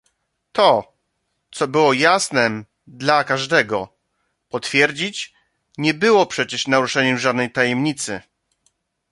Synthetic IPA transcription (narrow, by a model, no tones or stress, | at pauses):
t̪ɔ | t̪sɔbɘwɔjasnɛ | d̪lakaʐd̪ɛɡɔ | pɔt̪fʲjɛɾd͡ʑit͡ɕ | ɲɛbɘwɔpʂɛt͡ɕɛʂnaɾuʂɛɲɛmʐad̪nɛjt̪ajɛmɲit̪sɘ